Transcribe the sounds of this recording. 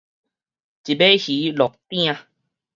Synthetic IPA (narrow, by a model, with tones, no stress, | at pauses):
t͡ɕi˨be˦hi˨˦lɔ˨k̚t̪j̃ã˧